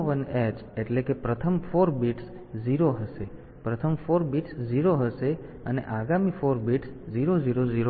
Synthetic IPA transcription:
ʋəned͡ʒeʈlekepɾət̪ʰəmfoɾbiʈs | d͡ʒiɾoɦəʃe | pɾət̪ʰəmfoɾbiʈsd͡ʒiɾoɦəʃe | ənḛʔaɡamifoɾbiʈsd͡ʒiɾod͡ʒiɾoziɾo

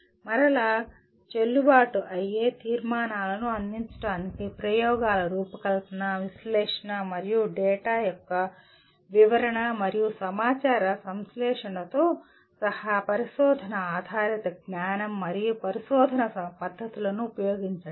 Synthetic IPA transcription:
mɐɾɐlaː | t͡ʃelːubaːʈuʔɐjːeːt̪iːɾmaːnaːlɐnuɐnd̪iɲt͡ʃɐ̥ʈaːnikipɾɐjɔːɡaːlɐɾuːpɐkɐlt̪ɐnɐʋislɛːʂɐɳɐmɐɾijuɖɛːʈaːjɔkːɐ | ʋiʋɐɾɐɳɐmɐɾijusɐmaːt͡ʃaːɾɐsɐmslɛːʂɐɳɐt̪oː | sɐhapɐɾiʃɔːd̪ʱɐnɐaːd̪ʱaːɾit̪ɐɡ̚naːnɐmːɐɾijupɐɾiʃɔːd̪ʱɐnɐpɐd̪ʱːɐt̪ulɐnuːpɐjoːɡiɲt͡ʃaː

